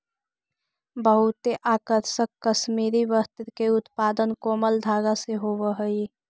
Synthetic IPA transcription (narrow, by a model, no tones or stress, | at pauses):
bəɦut̪eʔakəɾʃəkːəʃmiɾiʋəst̪ɾkeut̪pad̪ənkoməld̪ʱaɡaseɦoβəɦəj